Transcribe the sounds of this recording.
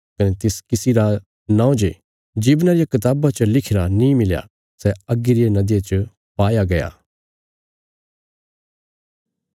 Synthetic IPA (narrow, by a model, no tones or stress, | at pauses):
kɐnɛt̪ɪskɪsiɾa | nãːõd͡ʒe | d͡ʒiːbnaɾɪjakɐt̪aːbat͡ʃəlɪkʰɪɾanĩmɪlja̰ | sɛɐɡiɾijanɐd̪jat͡ʃə | paːjaɡɐja̰ː